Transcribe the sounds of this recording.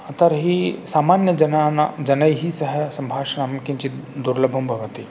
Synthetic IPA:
ɐt̪əɾɦisaːmaːnjəɐnanad͡ʒɐnəjɦisɐɦɛsɐ̃mbʱaːʃnaːmkĩnt͡ʃid̪uɾləbʱɐmbʱɐʋət̪i

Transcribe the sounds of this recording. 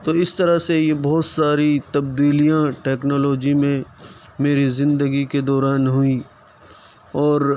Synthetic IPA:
t̪oːɪst̪ɐɾasejebɔːt̪saːɾit̪ɐb̚d̪iːlijãʈɛːknɔːlɔːd͡ʒimẽ | meːɾizɪ̃nd̪əɡiked̪ɔːɾaːnɦʊi | ɔːɾ

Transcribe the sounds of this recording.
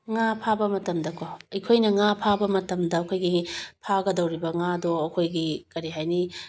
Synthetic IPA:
ŋapʰabɐmɐtɐmdɐkʰoɐjkʰojnɐŋapʰabɐmɐtɐmdɐːkʰojɡipʰaɡɐdɐwɾibɐŋadoɐkʰojɡikɐɾiɦajni

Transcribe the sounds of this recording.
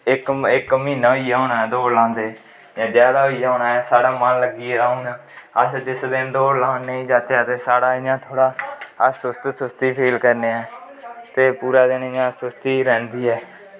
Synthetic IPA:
ɪkɪkmĩːnaːoijaːɦoːnaːɛːd̪oːɾlãːnd̪eː | jãːd͡ʒjaːd̪aːoijaːɦoːnaːɛːsaːɽaːmanləɡiːaːuːnãːəsd͡ʒɪsd̪eːnd̪oːɾlãːneːiːd͡ʒaːtaːt̪eːsaːɽaːɪjãːt̪ʰoːɽaːsʊst̪sʊst̪iːpʰeːlkəɾneːɛː | t̪eːpuːɾaːd̪eːnɪjãːsʊst̪iːɾɛ̃ːnd̪iːɛː

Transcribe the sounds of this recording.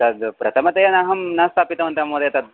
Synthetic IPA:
t̪ɐd̪pɾɐt̪ʰɐmɐt̪ɐjɐnaːɦɐmnaːst̪ʰaːpit̪ɐʋɐnt̪ɐmoːd̪ɐjɐt̪ɐd̪̚

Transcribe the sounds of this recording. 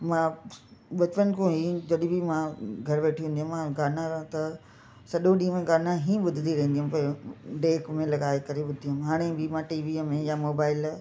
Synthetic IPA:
mãːɓɐt͡ʃpən̆kõɦid͡ʑɐɗɪ̃bimãɡʱɐɾʋeːʈʰiɦũnd̪iɦmãɡaːnãɾɐɦt̪ɐ | sɐɗõɗiːmẽɡaːnãɦĩːɓʊd̪ʱɪnd̪iɾɐɦĩnd̪iɦʊmpɐɾɖeːkmẽlɐɡaːekɐɾeɓʊd̪ʱiɦʊmɦaːɽ̃ebɪmãːʈiːʋimẽjamoːbaːɪl

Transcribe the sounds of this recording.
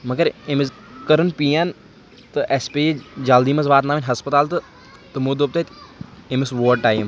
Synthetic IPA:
mɐɡəɾemez | kɐɾənpiːjaːn | t̪ɨʔɛspeːed͡ʒaːld̪iːmɐzʋaːt̪naːminʲɦɐspɐt̪aːlt̪ɨ | t̪ɨmud̪op̚t̪ɐt̪emesʋoːɖʈaːjm

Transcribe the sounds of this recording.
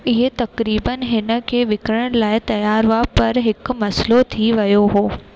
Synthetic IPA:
ɪɦet̪ɐkɾiːbənɦɪnə̆kʰeːʋɪkɾəɽ̃laːɪt̪ɐjaːɾʋapɐɾɦɪkmɐslot̪ʰiʋɐjoɦoː

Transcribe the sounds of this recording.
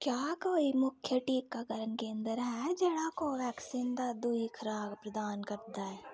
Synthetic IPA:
kjaːkoːimʊkʰjəʈiːkːakəɾənkeɐ̃nd̪əɾɦɛd͡ʒɛːɽ̃akoʋɛːksiːnd̪ad̪uikʰɐɾaːɡpɾəd̪aːnkɐɾd̪aɦɛː

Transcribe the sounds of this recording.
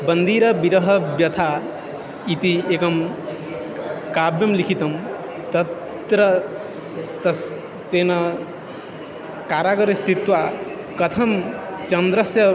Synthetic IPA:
bɐnd̪iːɾɐbiɾɐɦɐbjɐt̪ʰa | it̪ieːkɐm | kaːbjɐmlikʰit̪ɐm | t̪ɐt | t̪ɾɐ | t̪ɐs | t̪eːnɐ | kaːɾaːɡɐɾɐst̪ʰit̪ʋa | kɐt̪ʰɐmt͡ʃɐnd̪ɾɐsjɐ

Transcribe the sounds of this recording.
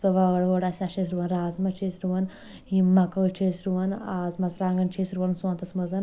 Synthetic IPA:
pɐʋaɡɐɽʋoːɽasʲaʃesɾuʋɐnɾaːzmɐt͡ʃʰeːsɾuʋɐn | imɐkɐt͡ʃʰeːsɾuʋɐnaːzmɐsɾaːŋɡɐnt͡ʃʰeːsɾuʋɐnsɐnt̪ɐsmɐzɐn

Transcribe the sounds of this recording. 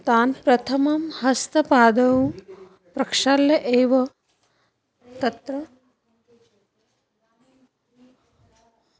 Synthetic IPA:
t̪aːnpɾɐt̪ʰɐmɐmhɐst̪ɐpaːd̪ɐw | pɾɐkʂaːljɐʔeːʋɐ | t̪ɐt̪ɾɐ

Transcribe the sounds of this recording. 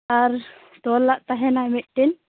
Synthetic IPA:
aɾ | d̪ɔlːaʔt̪aɦɛnamɛt̪̚ˀʈɛn

